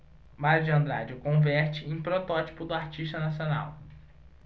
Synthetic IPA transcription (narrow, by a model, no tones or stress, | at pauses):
maɾjʊd͡ʒɪɐ̃nd̪ɾa̰d͡ʒɪʊkõvɛɾt͡ʃɪẽj̃pɾot̪ɔt͡ʃi̥pʊd̪ʊaɾt͡ʃiʃt̪ɐnasiona̰w